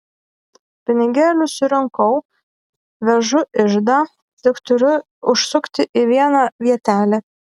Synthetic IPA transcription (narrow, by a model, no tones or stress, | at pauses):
pʲɪnʲɪɡʲæːlʲʊsʊɾʲɛŋkɐʊ | ʋʲɛʒʊʔɪʒd̪aː | t̪ʲɪkt̪ʊɾʲʊ | ʊʃsʊkt̪ʲɪʔiʋʲiɛnɑːʋʲiɛt̪ʲæːlʲe